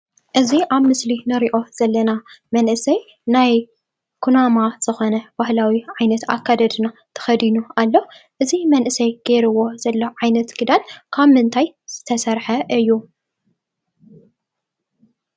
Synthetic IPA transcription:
ʔɨziʔaβmɨslinɨɾiʔo̞z̥ɐlːɐnamɐnʔɨsɐj | naj | kʰunamaz̥ɨxo̞nɐbahlawiʕajnɐt̪a̰kʰːad̪ɐd̪ɨnat̪ʰɐ̥xɐd̪inualːo̞ʔɨzimɐnʔɨsɐjɡ̥eɾɨwo̞z̥ɐlːoʕajnɐt̪ɡɨd̪ankʰaβmɨnt̪ʰajz̥ɨt̪ʰɐsɐɾħɐʔɨjːu

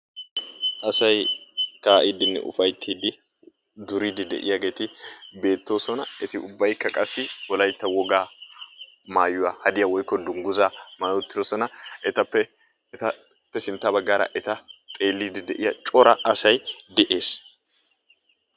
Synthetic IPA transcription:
ʔɐsɐjkaːʔid̪ɪnːɛ̰ʔʊ̰fɐjt̪ʰːiːd̪ɪ | d̪ʊɾiːd̪ɪd̪ɛ̰ʔɪ̰jaɡe̞ːt̪ɪbe̞ːt̪ːo̞ːsɔnɐɛt̪ɪʊbːɐjkːɐkʼɐsːɪwɔlɐjt̪ːɐwɔɡaː | maːjʊwɐːhɐd̪ɪjɐwɔjkːɔd̪ʊŋɡʊzamaːjot̪ːɪd̪osɔnɐɛt̪ɐpːɛ | t̪ɐ | pːɛsɪnt̪ːabɐɡːaːɾɐ̰ʔɛt̪ɐt̪ʼe̞ːlːiːd̪ɪd̪ɛʔɪjɐt͡ʃʼɔɾɐʔɐsɐjd̪ɛʔe̞ːs

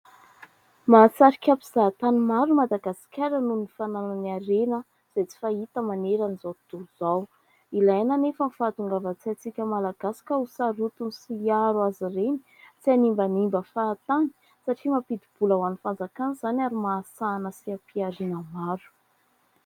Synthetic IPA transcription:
maːt͡saɾikʲapiz̥at̪animaɾumad̪aɡasi̥kʲaɾənunifanananaɾenə | z̥et͡si̥fait̪əmaneɾanizawt̪uuz̥aw | ilajananefənfaːt̪uŋɡavat͡sat͡sikʲəmalaɡasḁkəusaɾut̪unsiaɾwazireni̥ | t͡sianimbənimbəfaːt̪ani̥ | saʈ͡ʂimapid̪ib̥ulawanifand͡zakanzanaɾimaːsanəsiapiaɾinəmaɾu̥

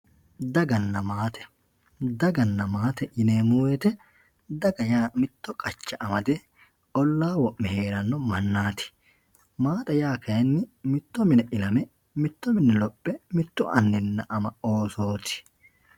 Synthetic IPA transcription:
d̪ɐɡɐnːɐmaːt̪ɛ̥ | d̪ɐɡɐnːɐmaːt̪ɛʔɪneːmuːwɛt̪ɛ | d̪ɐɡɐjaːmɪt̪ːɔkʼɐt͡ʃːɐʔɐmɐd̪ɛ | ɔlːaːwɔʔːɛhe̞ːɾɐnːɔmɐnːaːt̪ɪ̥ | maːt̪ʼɐjaːkɐjɐnːɪmɪt̪ːɔmɪnɛʔɪlɐmɛ | mɪt̪ːɔmɪnɛlɔpʼːɛmɪt̪ːɔʔɐnːɪnːɐʔɐmɐoːso̞ːt̪ɪ̥

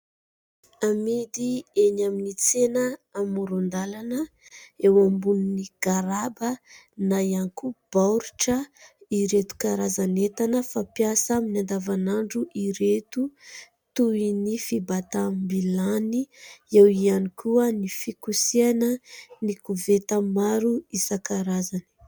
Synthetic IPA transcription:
amid̪ienaminit͡senəːmuɾund̪alanə | ewambunniɡ̥aɾabə | najanikub̥awɾuʈ͡ʂəiɾet̪u̥kaɾazanet̪anəfapjasminand̪avanaɳɖ͡ʐuʔiɾet̪u | t̪uinifibat̪ambilaniewianikʰuənifikusianənikuvet̪amaɾuisakaɾazani̥

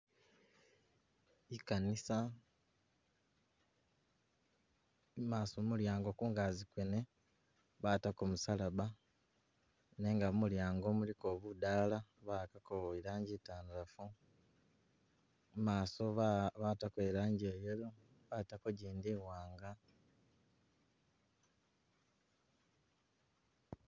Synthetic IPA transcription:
ikanisa | maːsomuljaːŋɡo̞kuːŋɡaːzikwene̞ | βatakomusalaβa | ne̞ːŋɡamuljaːŋɡo̞muliko̞ːβudaːlaβakakoβoiɾaːɲɟitaːnuɾafu | maːso̞βatakweːɾaːɲɟejeɾo | βatakoɟiːndiwaːŋɡa

